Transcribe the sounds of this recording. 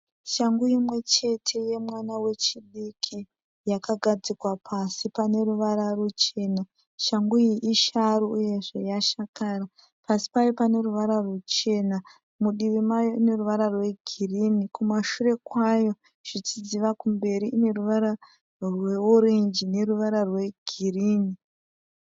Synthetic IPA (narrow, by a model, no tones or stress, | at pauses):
ʃaŋɡujimwe̞t͡ʃe̞tʰe̞je̞mwanawe̞t͡ʃiɗikʰi | jakaɡʱad͡zikwapʰasipane̞ruʋaɾarut͡ʃe̞ːna | ʃaŋɡuiʔiʃaɾuuje̞ʐe̞jaʃakaːra | pasi̥pajopane̞ruʋaɾarut͡ʃe̞na | muɗiʋimajo̞ine̞ruʋaɾarwe̞ɡʱiriːnikumaʃure̞kwajo̞ | ʐ̥it͡ʃiziʋakumbe̞ɾiʔine̞ruʋaɾa | rweuɾend͡ʒine̞ruʋaɾarwe̞ɡ̥ʱiriːni